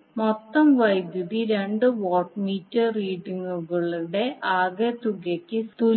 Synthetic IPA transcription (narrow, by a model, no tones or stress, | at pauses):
mot̪ːɐmʋɐjd̪juðiɾe̞ɳɖɨʋoːʈmiːtːɐriːʈiŋːuɣɐɭuɽe̞ʔaːɡet̪uɡɐkʲːɨst̪u